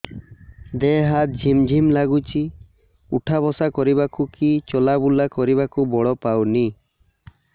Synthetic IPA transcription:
d̪eɦat̪̚d͡ʒʱimd͡ʒʱimlaɡut͡ʃʰi | ṵʈʰabɔsakɔɾibakukit͡ʃɔlabulakɔɾiβakubɔɽɔpawni

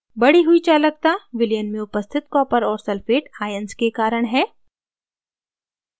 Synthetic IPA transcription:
bɐɽiɦuit͡ʃaːlək̚t̪aʋɪlijənmẽʊpəst̪ʰɪt̪̚kɔːpəɾɔːɾsɐlfeːʈaːjənskekaːɾəɽ̃ɦɛː

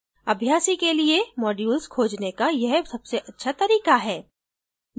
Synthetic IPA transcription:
ɐbʱjaːsikeliemɔːɖjuːlskʰoːd͡ʒnekajɐɦsɐb̥seʔɐtːʃʰat̪ɐɾiːkaɦɛː

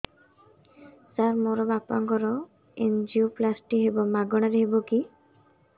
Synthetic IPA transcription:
saɾmoɾɔbapaŋkɔɾɔ | end͡ʒiuplasʈiɦebɔmaɡɔɽ̃aɾeɦebɔki

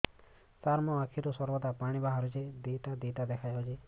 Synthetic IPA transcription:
saɾmɔakʰiɾusɔɾbɔd̪apaɽ̃ibaɦaɾut͡ʃed̪et̪ad̪et̪ad̪ɛkʰajɔd͡ʒe

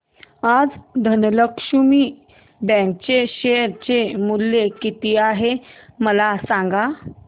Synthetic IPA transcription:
ad͡zd̪ʱənləkʂumiː | bɛ̃k̚t͡ɕeɕeɾt͡ɕemulːekit̪iaɦeməlasãŋɡa

